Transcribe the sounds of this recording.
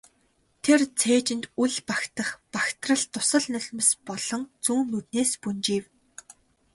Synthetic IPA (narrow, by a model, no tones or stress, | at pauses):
t̪ʰert͡sʰeːt͡ɕɪ̆nt̪uɮpakt̪ə̆χpakt̪rə̆ɮt̪ʊsə̆ɮnɵɮʲmə̆spɔɮ̥ɞ̆ŋt͡suːnːɵt̪neːspunt͡ɕiːw